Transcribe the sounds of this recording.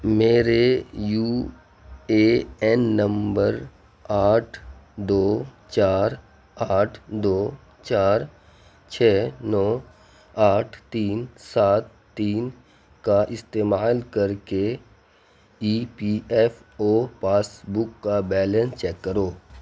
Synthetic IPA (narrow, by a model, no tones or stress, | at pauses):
meːɾejuː | eːɛnːə̃mbəɾ | aːʈʰd̪oː | t͡ʃaːɾ | aːʈʰd̪oː | t͡ʃaːɾ | t͡ʃʰɛːnɔː | aːʈʰt̪iːnsaːt̪ːiːn | kaʔɪst̪eːmaːlkəɾke | iːpiːɛfoːpaːsbʊkːabɛːlẽnst͡ʃɛːkːəɾoː